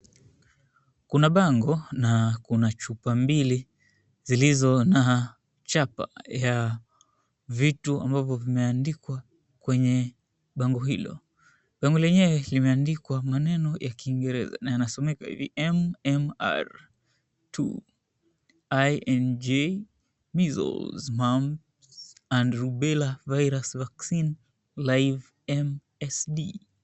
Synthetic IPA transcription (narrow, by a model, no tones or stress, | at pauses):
kunaɓaŋɡɔnakunat͡ʃupambili | zilizɔnaː | t͡ʃapa̰ja | vitua̰mbavɔvimɛandikwa | kwɛɲɛ | ɓaŋɡɔɦilɔ̰ | ɓaŋɡɔlɛɲɛwɛlimɛandikwamanɛnɔjʔakiːŋɡɛɾɛ̰za̰najanasɔmɛkahḭvḭʔɛmɛma̰ɾ | tʰṵ | ajɛnd͡ʒe | mizɔ̰lzmam | andɾuɓɛlavajɾasvaksin | lajv | ɛm | ɛsɗi